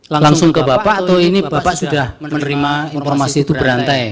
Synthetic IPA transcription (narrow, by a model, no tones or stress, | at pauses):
laŋsʊŋkəbapaʔt̪ɔinib̥a̤paʔsud̥ahmənəɾimainfɔrmasit̪ubəɾant̪aj